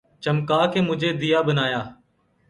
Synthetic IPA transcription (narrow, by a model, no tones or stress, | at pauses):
t͡ʃəmkaːkeːmʊd͡ʒʱeːd̪ijaːbənaːjaː